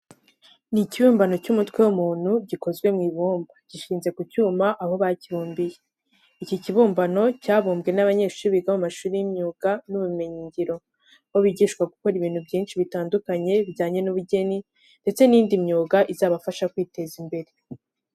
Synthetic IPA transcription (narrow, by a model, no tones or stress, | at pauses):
niciβuːmbano̞cumutwe̞wumuːn̥huɟiko̞zɡwe̞mŋiːβuːmbḁɟ̥iʃiːnze̞kucuːmaʔaho̞βaciβuːmbije | iciciβuːmbano̞caːβuːmbɡe̞naβaɲe̞ːʃuuβiɡamumaʃuːɾijimɲuːɡ̥anuβume̞ɲiːɲɟiɾo̞ | hoβiɟiːʃkwaɡuko̞ɾiβiːn̥ubɟiːnʃiβitaːndukaɲe̞βɟaːɲe̞nuβuɟe̞ni | nde̞t͡se̞niːndimɲuːɡaʔizaːβafaʃakwiːte̞zimbe̞ɾe